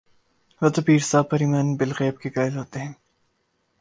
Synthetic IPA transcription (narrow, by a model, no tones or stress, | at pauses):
ʋɐt̪ɐpiːɾsaːpɐɾiːmɐːnbɪlɣɛːb̚kekaːɪlɦoːt̪eɦɛ̃ː